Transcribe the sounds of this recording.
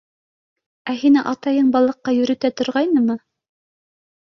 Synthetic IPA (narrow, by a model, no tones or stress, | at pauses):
æɦinɘʔɑt̪ɑjɤɴbɑlˠɤ̆qːɑjɵ̆ɾɵ̆t̪æt̪ŏɾʁɑjnɤmɤ